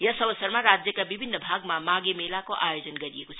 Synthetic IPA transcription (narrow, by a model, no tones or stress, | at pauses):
jəsəbəsəɾmaɾad͡zjəkabibʱinːəbʱaɡmamaɡemelakoʔajod͡zənɡəɾiekot͡ʃʰ